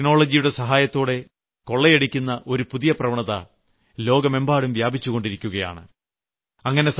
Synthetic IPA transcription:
no̞ːɭɐd͡ʑijuɽe̞sɐɦaːjɐt̪ːoːɽe̞ | ko̞ɭːejeɽikʲːunːɐʔo̞ɾupuðijɐprɐʋɐɳɐðɐ̰ | lo̞ːɡɐme̞mbaːɽumʋjaːbit͡ɕːuɣo̞ɳɖiɾikʲːuɣɐja̰ːɳɨ̰ | ɐŋːɐne̞s

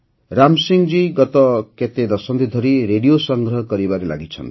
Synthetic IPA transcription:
ɾamsiŋd͡ʒiɡɔt̪ɔket̪ed̪ɔsɔnd̪id̪ʱɔɾiɾeɽijosɔŋɡɾɔɦɔkɔɾibaɾela̰ɡit͡ʃʰʌ̰nt̪

